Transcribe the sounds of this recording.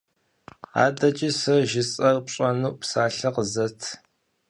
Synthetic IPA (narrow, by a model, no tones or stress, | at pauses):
a̰ːdɐt͡ʃʼisɐʒɪt͡sʼɐrpɕʼɐnuːpsaːɬɐqəzɐtʰ